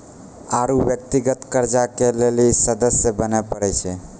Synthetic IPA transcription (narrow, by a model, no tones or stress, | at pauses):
aɾubjək̚t̪iɡət̪kəɾd͡ʒakelelisəd̪əsjəbənepəɾɛt͡ʃʰɛ